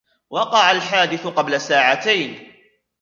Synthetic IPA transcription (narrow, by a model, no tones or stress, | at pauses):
wɑqɑʕalħaːd̪ɪθʊqɑblasaːʕat̪ajn